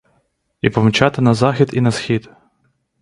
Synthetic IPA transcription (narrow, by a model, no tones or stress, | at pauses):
ipɔmt͡ʃat̪ɪnɐzɑxʲid̪inɐsxʲit̪